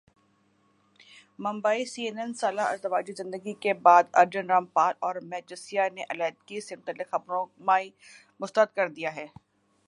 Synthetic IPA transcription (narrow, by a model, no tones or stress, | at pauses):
mɐ̃mbaːisiːeːnɛnsaːlaɐ̰ɾt̪ɐʋaːd͡ʒizɪ̃nd̪əɡikebaːd̪ɐɾd͡ʒənɾaːmpaːlɔːɾmɛːd͡ʒəsijaneʔɐlɛːt̪̚kisɪmt̪əlɪxɐbɾõmaːi | mʊst̪əət̪̚kɐɾd̪ijaɦɛː